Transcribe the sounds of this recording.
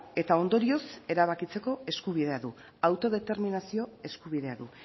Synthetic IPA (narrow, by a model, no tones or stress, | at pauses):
e̞t̪ao̞nd̪o̞ɾio̞se̞ɾaβ̞akit͡se̞ko̞e̞skuβ̞iðe̞aðu | awt̪o̞ð̞e̞t̪e̞ɾminasio̞e̞skuβ̞iðe̞aðu